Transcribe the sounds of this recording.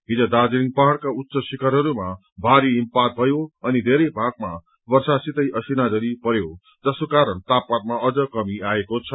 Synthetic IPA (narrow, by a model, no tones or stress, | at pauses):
ɦid͡zʌd̪ad͡ziɾiŋpaɦaɽkautːsʌsikaɾɦʌɾuma | bʱaɾiːmpat̪̚bʱʌjoʌnid̪ʱeɾʌjbʱaɡ̚ma | bʌrsasit̪ʌjʔʌsinad͡zʌɾipʌɾjo | d͡zʌsokaɾʌnt̪apːat̪maʔʌd͡zʌkʌmiaekot͡sʰʌ